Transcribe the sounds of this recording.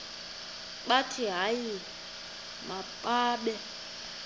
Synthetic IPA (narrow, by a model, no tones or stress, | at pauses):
k͡patʰiɦaji | mapʼaːɓɛ